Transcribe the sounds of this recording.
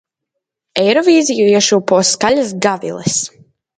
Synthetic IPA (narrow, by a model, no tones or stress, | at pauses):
ɛjɾɔviːzijuiɛʃuːpɔːskalʲasɡavḭlˠɛs